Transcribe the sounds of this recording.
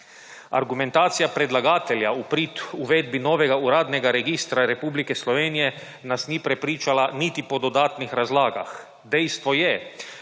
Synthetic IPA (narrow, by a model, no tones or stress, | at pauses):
a̰ɾɡument̪aːt̪sijapɾed̪laɡaːt̪ɛljaupɾit̪uʋed̪binoːʋɛɡauɾaːd̪nɛɡaɾeɡist̪ɾaɾepublikɛslɔʋeːnijɛ | nasniːpɾɛpɾiːt͡ʃalanit̪ipod̪od̪aːt̪nixɾazlaːɡa̰x | d̪ejst̪ʋojɛ